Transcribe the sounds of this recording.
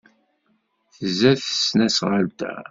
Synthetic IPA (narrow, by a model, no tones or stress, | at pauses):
θəzæθə̥snæsʁəlt̪æ̰